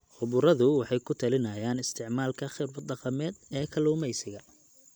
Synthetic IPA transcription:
χʊβʊɾɐðʊwɑħɑjkʰʊt̪ʰɐlɪnɐjaːnɪst̪ʰɪʕmaːlkʰɐχɪrbɐd̪ɑqɑmɛːd̪ɛːkʰɐluːmɛjsɪɣɐ

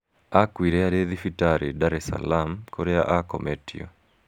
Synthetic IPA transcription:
akwiɾɛaɾeðifitaɾidaɾɛsa̰lamkʰoɾɛaʔakɔ̰mɛtio̰

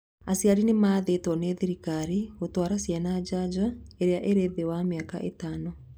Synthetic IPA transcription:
asjaɾinemaːðetwɔnɛðiɾikaɾiotwaɾasjanad͡ʒad͡ʒaeɾeaʔeɾeðewameakaʔetaːnɔ

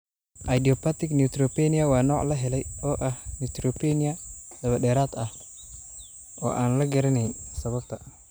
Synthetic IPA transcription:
ʔɐjd̪iɔpʰɐt̪ʰɪɡnut̪ɾɔpɛnɪɐwɑːnɔːʕlɐɦɛlɛjɔːʔɐhnit̪ɾɔpɛnɪɐd̪̥ɐβɐɗɛːɾaːd̪ɐh | ɔ̰ːʔaːnlɐɡɐɾɐnɛjnsɐβɐb̚t̪ʰɐ

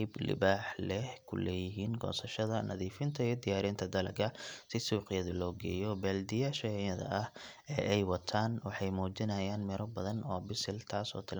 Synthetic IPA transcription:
jblɪ̰baːħlɛhkʰʊ̰lɛːjɪɦiːnɡɔ̰ːsɐʃɐðɐnʔɐ̰ðiːfɪnt̪ʰɐijɔd̪ɪjaːɾiːnt̪ʰɐd̪ɐlɐɡɐsɪsuːqɪjɐðɐlɔːɡɛ̰ːjɔbɛːld̪ɪjaːʃɐɐðɐ̰ʔɐh | ɛːʔɛjwɐt̪ʰaːnwɑħɑjmɔːt͡ʃɪnɐjaːnmɛɾɔbɐðɐnɔːbɪsɪlt̪ʰaːsɔ̰ːt̪ʰɪl

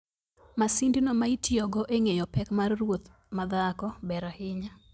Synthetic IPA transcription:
masindinomaitjɔɡɔʔeŋejɔpɛkmarːwot̪ | mad̪akɔbɛɾahɪɲa

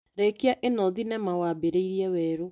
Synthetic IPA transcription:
ɾekeaʔenɔðinɛmawaːbeɾeiɾiɛwɛːɾo

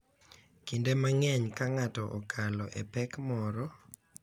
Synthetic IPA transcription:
kindemaŋɛɲkaŋatɔʔɔkʰalɔʔḛpɛkmɔɾɔ

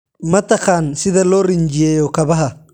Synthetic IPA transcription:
mɐt̪ɐqaːnsɪðɐlɔːɾɪɲd͡ʒɪjɛːjɔkɐβɐɦɐ

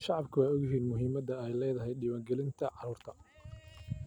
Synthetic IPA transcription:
ʃɑʕɑbkʰʊwaːɔɣjɪɦiːnmʊɦiːmɐd̪ɐɛjlɛːðɐɦɛjɖɪβaːŋɡɛlɪnt̪ʰɐʕɑɾuːrt̪ʰɐ

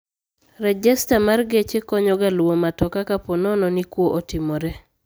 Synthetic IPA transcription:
rɛd͡ʒɛstamarɡet͡ʃekɔɲɔɡalwomatɔkakapɔnɔnɔnikwoʔotɪmɔɾɛ

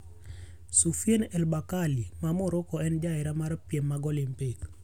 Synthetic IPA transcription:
sufjenɛlbakalimamʊɾokɔɛnd͡ʒaɪɾamaɾpjemːaɡɔlɪmpek

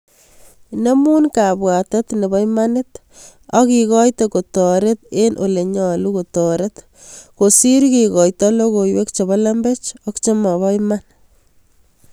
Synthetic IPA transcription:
nemunkabwatɔt̪nebɔjmanɪt̪ | ɔkikɔjtekotɔɾet̪̚enʔoleɲɔlukotɔɾet̪ | kosiɾkiɣɔjtɔloɣojwekt͡ʃeβalambet͡ʃɔkt͡ʃemaβɔjman

